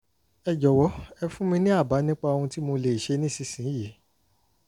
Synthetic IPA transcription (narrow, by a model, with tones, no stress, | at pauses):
ɛ˧d͡ʒɔ˨wɔ˨˦ɛ˧fũ˦mĩ˧nĩ˦a˦˨ba˨˦nĩ˦k͡pa˧õ˧ũ˧ti˦mo˧le˨ʃe˧˦nĩ˦si˦˧˨sĩ˨˦je˨˦